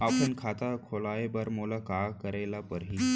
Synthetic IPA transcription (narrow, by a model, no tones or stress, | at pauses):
apənkʰat̪akʰolajebəɾmulakakəɾajlapəɾɦi